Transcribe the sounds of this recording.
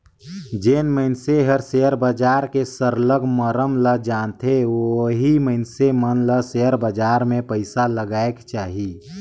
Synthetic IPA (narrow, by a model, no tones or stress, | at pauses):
d͡ʒeːnməɪnseɦəɾseəɾbəd͡ʒaːɾkesəɾləɡməɾəmləd͡ʒaːnt̪ʰeoɦiməɪnsemənləseəɾbəd͡ʒaːɾmẽpəɪsaləɡaːekt͡ʃaːɦi